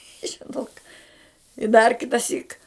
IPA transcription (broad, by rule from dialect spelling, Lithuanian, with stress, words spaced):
ɪ ʒʲɪˈnoːk ɪ dɐr ˈkʲɪtɐsʲiːk